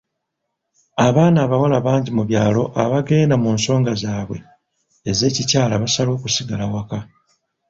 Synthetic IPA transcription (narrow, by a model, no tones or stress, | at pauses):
aβaːnaːβawalaβaːɲɟimuβjaːlo̞ʔaβaɡe̞ːnamuːnso̞ːŋɡazaːβwe̞̰ | eze̞ːcicaːlaβasalo̞ːkusiɡalawaka